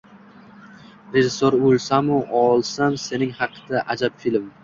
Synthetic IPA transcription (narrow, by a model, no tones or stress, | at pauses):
ɾe̞ʒɪsːoɾolˠsamʊʔɒlˠsamse̞nɪŋhɑqʰɨ̥d̪aʔad͡ʒabfilm